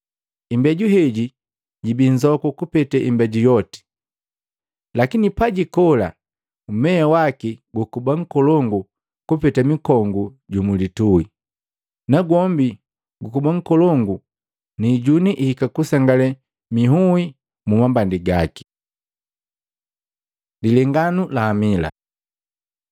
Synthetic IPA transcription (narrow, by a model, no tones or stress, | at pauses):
imbɛɟuɦɛɟi | ɟibiɲd͡ʒɔkɔkupɛtɛʔimbɛɟujɔti̥ | lakinipaɟikɔla̰ | umɛawakiɡukubaŋ̩kɔlɔŋɡu | kupɛtamikɔŋɡuɟumulitui | naɡwɔmbi | ɡukubaŋ̩kɔlɔŋɡu | niɟuniʔihikakusaŋɡalɛ | miɦui | mumambandiɡaki̥ | dilɛŋɡanulaːmila̰